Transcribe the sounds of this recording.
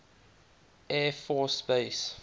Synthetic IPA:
ɛːfɔːsbeɪs

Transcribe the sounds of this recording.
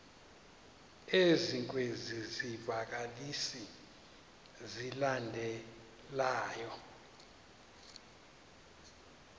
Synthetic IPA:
eziŋkʼwezizivak̬alisi | zilandʱɛ | laːjɔ

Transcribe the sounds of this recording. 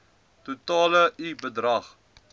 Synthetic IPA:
tutɑːləibədrɐχ

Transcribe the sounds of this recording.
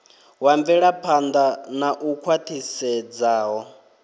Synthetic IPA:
waɱvɛɺapʰand̪anaʔukʰwatʰisɛd͡zaːɦɔ

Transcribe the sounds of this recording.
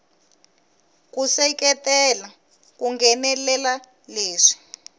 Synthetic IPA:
kusɛkɛtɛla | kuŋɡɛnɛlɛla | leːʂi̥

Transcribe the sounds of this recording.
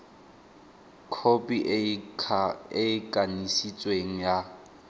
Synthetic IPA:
kʰopʼiʔ | ɪkʼanisit͡sʼweŋ̩ja

